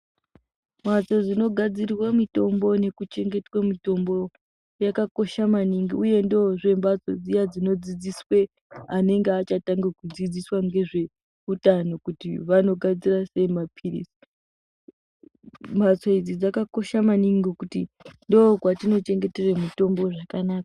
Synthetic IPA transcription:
mat͡so̞d͡zino̞ɡʱad͡zirwamito̞mbo̞ne̞kut͡ʃe̞ŋɡe̞twamito̞mbo | jakako̞ʃamaniŋɡiuje̞ndoʐe̞mbat͡so̞̰d͡zijad͡zino̞d͡zid͡ziswe̞ | ane̞ŋɡeat͡ʃataŋɡekud͡zid͡ziswaŋɡe̞ʐe̞ | utano̞kutḭʋano̞ɡʱad͡zirase̞mapʰirḭsi̥ | mbat͡so̞id͡zid͡zakako̞ʃamaniŋɡokutindokwatino̞t͡ʃe̞ŋɡe̞te̞remito̞mbo̞ʐakanaːka

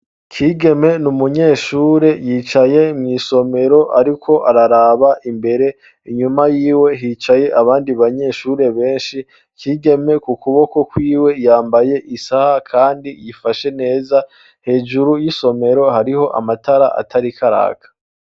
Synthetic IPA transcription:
kʰiːɡe̞me̞numuɲe̞ʃuːɾe̞jiːt͡ʃaje̞imŋiːso̞me̞ɾo̞ʔaɾikʰo̞ʔaɾaɾaːβaʔimbe̞ɾe̞ | iɲumajiːwe̞ɦiːt͡ʃaje̞ʔaβaːndiβaɲe̞ːʃuɾe̞βe̞ːnʃi | kʰiːɡe̞me̞kukuβo̞ko̞kwiːwe̞jaːmbaje̞ʔisahakʰaːndijifaʃe̞ne̞ːza | he̞ːʒuɾujiso̞me̞ɾo̞haɾiho̞ʔa̰matʰaɾaʔa̰tʰaɾikʰaɾa̰ːkʰḁ

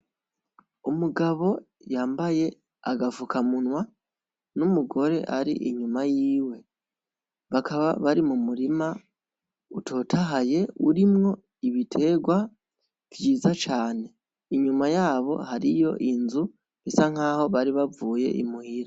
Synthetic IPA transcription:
umuɡaβo̞ | jaːmbaje̞ | a̰ɡavukʰamunwa | numuɡo̞ɾe̞̰ʔaɾḭʔiɲumajiːwe̞ | βakʰaβaβaɾimumuɾima | utʰo̞ːtʰaɦaje̞ṵɾimŋo̞ | iβitʰe̞ɡwa | v̥jiːzat͡ʃaːne̞ | iɲumajaːβo̞̰haɾijo̞̰ʔinzu | esaŋ̥aːho̞βaɾiβavuːje̞̰ʔḭmuhiɾa

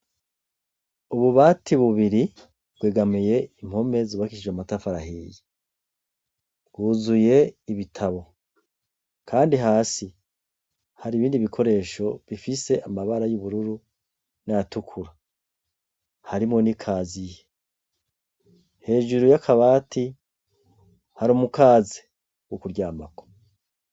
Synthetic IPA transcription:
uβuβaːtʰiβuβiɾi | bɡweːɡamije̞im̥ho̞me̞zuβakiʃid͡ʒwematafaɾahiːji | ɡuːzuje̞iβitʰaβo̞ | kʰaːndiɦaːsi | haɾiβiːndiβikʰo̞ɾe̞ːʃo̞βifise̞ʔamaβaɾajuβuɾuɾu | najatukʰuɾa | haɾimŋo̞nikʰaːzije | he̞ːʒuɾujakʰaβaːtʰi | haɾomukaːzi | wukuɾɟaːmako̥

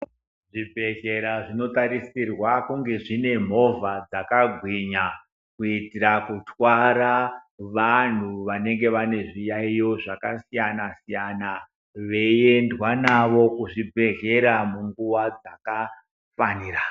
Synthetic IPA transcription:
ʐibʱe̞ɣe̞ɾaʐino̞taɾisirwakuŋɡe̞ʐine̞m̤o̞vad͡zakaɡʱwiɲa | kuitirakutwaɾaʋan̤uʋane̞ŋɡe̞ʋane̞ʐijaijo̞ʐakasijanasijana | ʋe̞je̞ndwanaʋo̞kuʐibʱe̞ɣe̞ɾamuŋɡuʋad͡zaka | faniːra

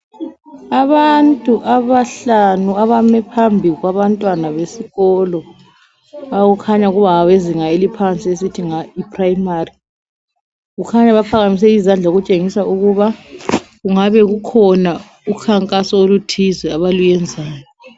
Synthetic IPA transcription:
aβantʼuʔaβaɬanuaβamɛpʰambʱiɣwaβantʼwanaβesiɣɔlɔ | aɣukʰaɲauɣuβaaβeziŋaelipʰant͡sʼiesitʰiŋaipʰʼrajmari | ɣukʰaɲaβapʰaɣamis̬ɛizand͡ɮʱaɣut͡ʃʼeŋisaʔuɣuβaɣuŋaβɛɣukʰɔna | ukʰaŋkʼasɔolutʰizɛaβalujɛnd͡zʱaːjɔ

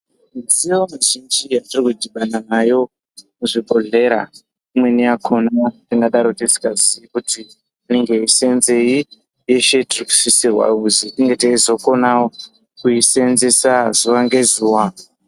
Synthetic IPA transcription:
zijomaʒind͡ʒijatirikudʱiɓananajo̞ | muʐiɓʱo̞ɮe̞ɾa̰ | imwe̞niakʰo̞natiŋɡaɗaɾotesi̥kad͡zikuti | ineŋɡe̞ise̞nze̞i | jeʃe̞tiriku̥sisirwa̰uziɗiŋɡe̞teizo̞ko̞nawo | kuise̞nzesazuwaŋɡe̞zuːwa

